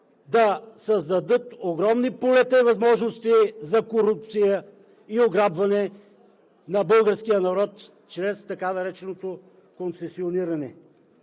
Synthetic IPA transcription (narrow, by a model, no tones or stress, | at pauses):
d̪ɐsɐzd̪ɐd̪ɤt̪oɡɾɔmnipolɛt̪əivɐzmɔʒnost̪izɐkoɾup̚t̪sijə | ioɡɾabvɐnɛ | nɐbɤlˠɡəɾskijənɐɾɔt̪ | t͡ʃɾɛst̪ɐkanɐɾɛt͡ʃɛnot̪o | kont̪sɛsioniɾɐnɛ